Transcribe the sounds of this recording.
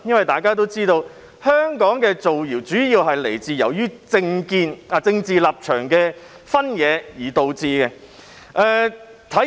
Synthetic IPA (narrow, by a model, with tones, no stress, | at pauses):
jɐ˥nwɐ˨jt̪aː˨˩jkaː˥t̪̬o˥wt͡siː˥t̪o˧w | hœː˥ŋkɔː˨˥ŋkɛː˧t͡so˨wjiː˨˩wt͡syː˨˥jiː˧wɦɐ˨jle˨˩jt͡siː˨jɐ˨˩wjyː˥t͡sɪ˧ŋkiː˧naː˨t͡sɪ˧ŋt͡siː˨laː˨p̚t͡ʃʰœː˨˩ŋkɛː˧ | fɐ˥njɛː˨˧jiː˨˩t̪o˨wt͡siː˧kɛ˧ | ʔɛː˨t̪ʰɐ˨˥